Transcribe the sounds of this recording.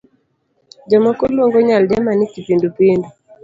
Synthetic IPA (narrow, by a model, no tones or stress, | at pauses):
d͡ʒamakɔloŋɡɔɲaldamanikipindupindu